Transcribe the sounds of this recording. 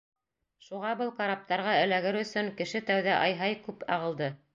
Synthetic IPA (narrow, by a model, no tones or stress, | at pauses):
ʃuʁɑbɤlˠkɑɾap̚t̪ɑɾʁɑɘ̆læɡɘɾɵ̆sɵŋkɘ̆ʃɘt̪æwðæʔɑjɦɑjkʉpɑ̰ʁɤ̆lˠd̪ɤ